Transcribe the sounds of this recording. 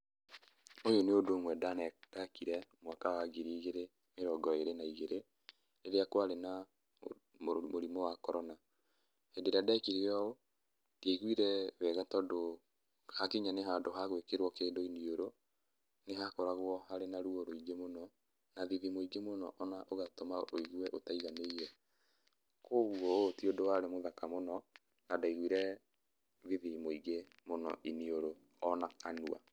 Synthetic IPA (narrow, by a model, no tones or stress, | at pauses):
ojoneodoŋwɛdanɛtakiɾɛmwakawaɡiɾiːɣeɾe | meɾɔɡɔeɾenaiɣeɾe | eɾeakwaɾena | momoɾimɔwakɔɾɔna | hedeɾeadɛkiɾeɔo | tieɣwiɾɛβɛɣatɔdo | hakiɲaneɦadoɦaɣwekeɾwɔkeːndoinioɾo | neɦakɔɾaɣwɔhaɾenaɾuoɾoiɡemonɔ | naðiðimoiɡemonɔ̰ʔɔnaʔoɣatomaoiɣwɛʔotaiɣaneiɾɛ | koɣuotiodowaɾemoðakamonɔ | nadaiɣwiɾɛ | ðiðimoiɡe | monɔ̰ʔinioɾo | ɔnakanua̰